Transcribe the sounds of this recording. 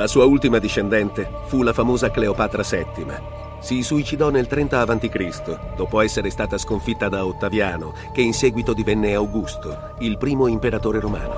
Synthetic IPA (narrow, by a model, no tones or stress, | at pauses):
lasuːault̪imad̪iʃːend̪ɛnt̪e | fulafamoːzakleopaːt̪ɾasɛt̪ːima̰ | sisuit͡ʃid̪ɔnːelt̪ɾɛnt̪aːvant̪ikɾist̪od̪oːpoɛsːeɾest̪aːt̪askoɱfit̪ːad̪aot̪ːavjaːno | k̟einsɛːɡwit̪od̪ivɛnːeawɡust̪o | ilpɾiːmoimpeɾat̪oːɾeɾoma̰ːno̰